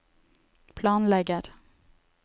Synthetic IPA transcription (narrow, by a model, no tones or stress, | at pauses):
pʰlɑːnlɛɡəɾ